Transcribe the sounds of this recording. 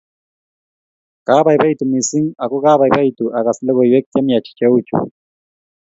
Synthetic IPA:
ka˦βa˨i˨βa˦i˨tu˨mi˨si˦ŋa˨kɔ˦ka˦βa˨i˨ba˦i˨tu˨ʔa˨ka˨si˦lɛ˦ɣɔ˨jwɛ˦k̚ta˦mja˨t͡ʃi̥˨t͡ʃɛ˦u˦t͡ʃṵ˨

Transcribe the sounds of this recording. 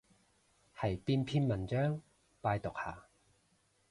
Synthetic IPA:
hɐ˨˩jpiː˧npʰiː˥nmɐ˨˩nt͡ʃœː˥ŋ | paː˧jt̪ʊ˨˩k̚ha̰ː˨˩

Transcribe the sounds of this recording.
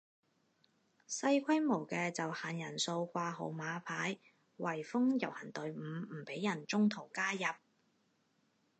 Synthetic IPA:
sɐ˧jkʷʰɐ˥jmo˨˩wkɛː˧t͡sɐ˨whaː˨njɐ˨˩nso˧wkʷaː˧ɦo̰˨˧wmaː˨˧pʰaː˨˥j | wɐ˨˩jfʊ˥ŋjɐ˨˩whɐ˨˩nt̪ɵ˨˧ɥm̩˨˧m̩˨˩pe˨˥jːɐ˨˩nt͡sʊ˥ŋt̪ʰo˨˩wkaː˥jɐ˨p̚

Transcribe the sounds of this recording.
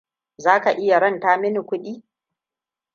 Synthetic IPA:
zaː˦ka˨ʔɪ˦ja˨ɾɐ˦ntaː˦mɪ˦nɪ˨kʷʊ˦ɗiː˦

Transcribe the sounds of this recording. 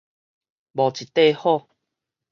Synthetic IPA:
bɔ˨˩t͡ɕi˨t̪e˥˦˧hɔ˥˧˨

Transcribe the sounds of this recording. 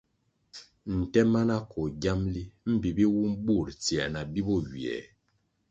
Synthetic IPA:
n̩˨tɛ˦ma˦na˦kɔ˨ɡa˦mli˦m̩˦bi˨bi˦wu˦mbu˦˨ɾt͡sjɛ˨ʔna˨bi˦bɔ˦˨ɥi˨ɛ̰˨

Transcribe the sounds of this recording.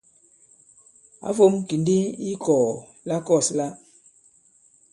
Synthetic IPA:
a̰˦fo˦mki˨ndi˦i˦kɔː˨ | la˦kɔ˦˨sla˦

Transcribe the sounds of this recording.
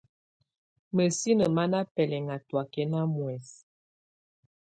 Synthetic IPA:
mə˨si˦nə˨ma˦na˦pɛ˨lɛ˨ŋa˨twa˨kɛ˦na˦mwɛ˨s

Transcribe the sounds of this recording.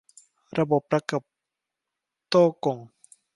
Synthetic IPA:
ɾa˧bo˨˩p̚ːɾa˧˦ka˨˩p̚ | t̪oː˥˩ko˨ŋ

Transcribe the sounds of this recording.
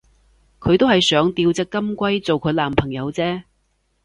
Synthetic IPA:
kʰɵ˨˧ɥt̪o˥whɐ˨jsœː˨˥ŋt̪iː˧wt͡sɛ˧˥kːɐ˥mkʷɐ˥jt͡so˨wkʰɵ˨˧˥laː˨˩mpʰɐ˨˩ŋjɐ˨˧wt͡sɛː˥

